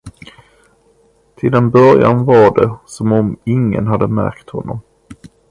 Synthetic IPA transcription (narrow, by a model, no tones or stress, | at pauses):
t̪ʰɪld̪ɛnbœɾja̰nvaɖɛsɔmɔmɪŋːə̰nɦad̪ːəmæ̰ɾkt̪hɔnːɔm